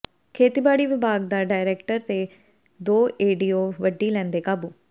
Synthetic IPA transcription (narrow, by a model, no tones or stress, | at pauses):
kʰeːt̪iːbaːɽiːʋɪbaːɡ̚d̪aːɖaːɪɾeːkʈəɾt̪eː | d̪oːʔeːɖiːoːʋəɖiːlɛ̃ːnd̪eːkaːbuː